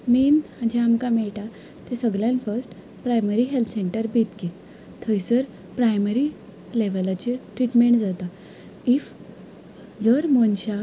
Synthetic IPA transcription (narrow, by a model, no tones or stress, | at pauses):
miːnhãd͡ʑeamkameɭʈa | t̪esəɡljãnfəsʈ | pɾajməɾiɦelt̪ʰseɳʈəɾbit̪ke | t̪ʰəjsəɾ | pɾajməɾi | leʋəlat͡ɕeʈɾiʈmeɳʈd͡zat̪a | if | d͡zəɾmonɕa